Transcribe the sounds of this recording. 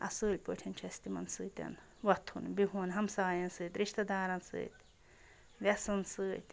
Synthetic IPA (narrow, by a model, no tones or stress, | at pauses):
ɐ̰sɨːlʲpɨtʰɐnt͡ʃʰɛst̪imɐnsɨːt̪ʲɐ̰n | wɐt̪ʰhunbiɦuːnɦɐmsaːjɐnsɨːt̪ɾiʃt̪ɐd̪aːɾɐnsɨ̰ːt̪ | ʋɛsɐnsɨːt̪ʲ